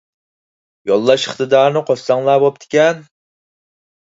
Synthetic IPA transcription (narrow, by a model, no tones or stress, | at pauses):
jɑlˠːɑʃχɨ̥t̪ɨd̪ɑːɾnɨqʰossɑŋlˠɑːbop̚t̪ʰɪ̥kʲɛn